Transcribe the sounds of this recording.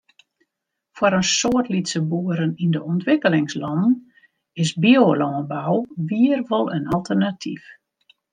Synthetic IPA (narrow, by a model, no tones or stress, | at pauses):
fwaɾənsoətlitsəbuəɾənindəɔntʋɪkəlɪŋslɔndn̩ | ɪsbiolɔːnbawʋiərʋolˠənalˠtʰərnatʰḭf